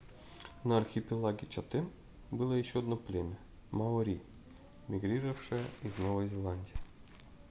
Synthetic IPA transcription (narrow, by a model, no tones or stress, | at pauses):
nɐːrxʲipʲilˠaɡʲet͡ɕat̪ːen | bɨlˠojeɕːod̪noplʲemʲe | mɑoɾʲi | mʲiɡrʲirəfʂɨiznovɐjzʲelʲˠanʲdʲij